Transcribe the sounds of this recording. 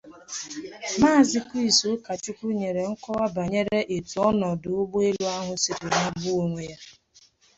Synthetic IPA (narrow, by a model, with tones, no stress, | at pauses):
ma˦˨zɪ˦kʷi˦i˨so˦ka˨t͡ʃʊ˦kʷu˦ɲe˨ɾe˨ŋ̩˦kɔ˦wa˦ba˨ɲe˦ɾe˦ʔe˨tu˨ɔ˦nɔ˨dʊ˨ʊ˦ɡ͡bo˦e˦lu˦a˦ɦʊ˦sɪ˨ɾʊ˨na˦bu˦˨ŋʷe˨ja˦